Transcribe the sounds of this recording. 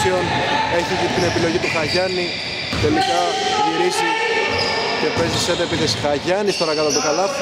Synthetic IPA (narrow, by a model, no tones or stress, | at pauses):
ione̞çicit̪ine̞pilo̞ʝit̪uxɐʝɐni | t̪e̞likɐciɾisi | ce̞pe̞ziset̪epit̪isxaʝɐnist̪oɾɐkɐt̪ɐt̪ukɐlɐ